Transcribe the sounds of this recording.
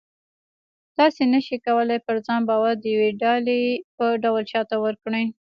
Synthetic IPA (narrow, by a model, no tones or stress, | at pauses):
t̪ɑsenəʃikawəlajpəɾzɑnbɑwaɾd̪əjaweɖɑlepəɖawəlt͡ʃɑt̪awəɾkɽəj